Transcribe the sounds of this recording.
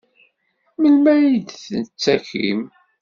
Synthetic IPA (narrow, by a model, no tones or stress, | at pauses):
məlmæjid̪θənət͡sːæçḭm